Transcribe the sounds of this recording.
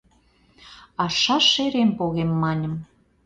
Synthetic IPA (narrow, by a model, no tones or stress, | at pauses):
ɑʃɑʃeɾempoɣemːɑnʲə̆m